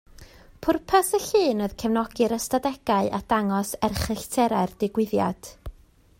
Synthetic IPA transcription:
pʰʊrpʰasəɬɨːnəðkʰəvnɔɡɨɾəstadɛɡ̥aɨʔad̥aŋɔsɛrχəɬtʰɛɾard̥ɪɡwɪðja̰d̥

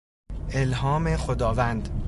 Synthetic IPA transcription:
elɦɒːme̞xod̪ɒːvænd̪

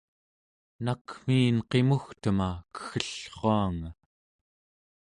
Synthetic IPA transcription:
nakm̥iːnqe̞muxt̪əmakə̥xəɬχoaŋa

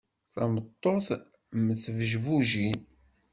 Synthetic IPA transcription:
θæmət̪ˤːoθ | məθəvʒvuʒin

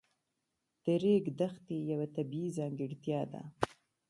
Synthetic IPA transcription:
d̪̥əɾeɡd̪axt̪ejawat̪abiizɑŋɡɪɽt̪jɑd̪a̰

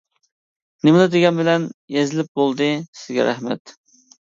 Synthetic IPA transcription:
nɪmɪd̪ɨd̪eɡʲɛnbɪlɛnjezɪlɪp̚bolˠd̪ɨsɪzɡʲɛ̰ɾæ̰hmɛ̰t̪

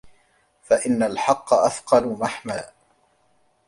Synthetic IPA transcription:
faʔɪnːalħɑqːɑʔafqɑlʊmaħmaː

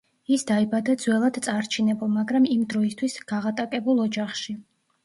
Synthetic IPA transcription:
isd̪aibad̪ad̪zwɛlˠad̪t̪sʼaɾt͡ʃʰinɛbɔmaɡɾamimd̪ɾɔist̪ʰwisɡ̥aʁat̪ʼakʼɛbulˠɔd͡ʒaχʃi

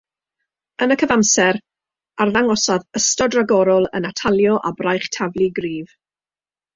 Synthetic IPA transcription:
ənəkʰəvamsɛɾ | arðaŋɔsaðəstɔdraɡɔɾɔlˠə̰natʰalˠjɔʔabrajχtʰavlˠiɡriːv

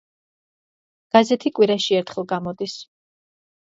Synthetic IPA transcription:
ɡ̥azɛt̪ʰikʼwiɾaʃiɛɾt̪ʰχɛlˠɡamɔd̪is

